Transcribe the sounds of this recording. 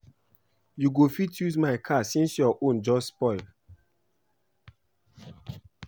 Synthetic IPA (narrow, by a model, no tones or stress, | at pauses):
juɡofitjuzmaɪkʰasĩnsjɔʔõnd͡ʒɔsspɔɪl